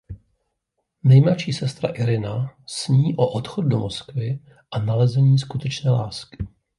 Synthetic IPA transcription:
nɛjmlat͡ʃiːsɛst̪ɾa̰ʔɪɾɪnasɲiːʔoʔot̪xod̚domoskvɪ | ʔanalɛzɛɲiːskut̪ɛt͡ʃnɛːlaːskɪ̥

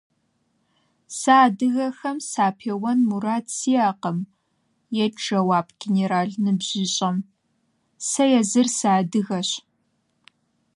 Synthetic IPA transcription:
saːdɨɣɐxɐmsaːpʰeːwɐnmuɾaːtsiaːqəm | jɛʈ͡ʂɐwaːpɡ̥ʲeneɾaːɮnɨbʑ̥ɪɕʼɐm | sɐjɛzɨrsaːdɨɣɐɕ

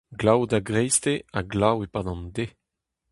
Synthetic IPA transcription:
ɡlawdaɡʁɛjst̪eaɡlawepaːdɑ̃nde

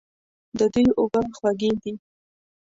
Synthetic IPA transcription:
d̪əd̪ujʔʊbaxwaɡid̪i

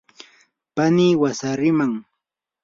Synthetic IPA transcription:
paniːwasaɾɪmaŋ

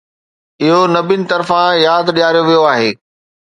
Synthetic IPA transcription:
ɪɦonɐbɪnɪ̆t̪ɐɾfãjaːd̪ɗijaːɾijoʋijoaːɦeː

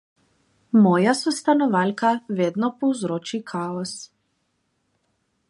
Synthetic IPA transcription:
mɔjasɔst̪anɔvalkavɛd̪nɔpɔzɾɔt͡ʃikʰaɔs

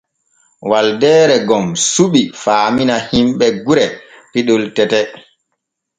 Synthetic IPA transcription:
waldɛːɾɛɡɔmsuɓifaːminahimɓɛɡuɾɛ | piɗultɛtɛ

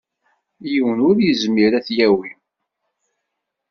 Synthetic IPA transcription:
jiwənʊɾjəzmiɾæθjæwi

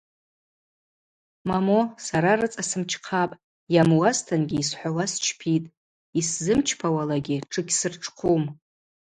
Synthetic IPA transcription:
mamosaɾarɨt͡sʼasɨmt͡ʃʰqʰapʼ | jamwastʰanɡʲiːsħʷawast͡ʃʰpʰitʼ | iszɨmt͡ʃʰpʰawalaɡʲɪʈ͡ʂʰɨɡʲsɨrʈ͡ʂʰʼqʰum

